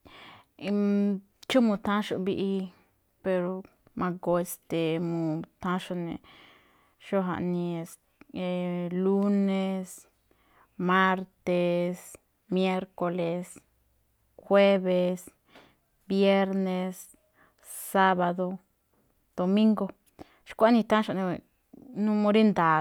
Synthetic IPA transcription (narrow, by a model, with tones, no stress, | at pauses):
t͡ʃu˦mu˨˧t̪ã˦ʃṵ˧bi˧ʔi˧ | pe˧ɾo˧ | mʔa˧ɡo˧e˧st̪e˨mũ˨t̪ã˦ʃo˧nḛ˨ | ʃo˦ɦa̰˧nĩ˧e˧s | e˨lu˦ne˧s | ma˦ɾt̪e˧s | mje˦ɾko˧le˧s | xwe˦βe˧s | bje˦ɾne˧sː | a˦βa˧ðo˧ | d̪̥o˨mĩ˦ŋɡo˧ | ʃkʷa˦nĩ˧t̪ã˦ʃo˧˨nẽ˧ | nũ˦mõ˧ɾi˦nd̪a˨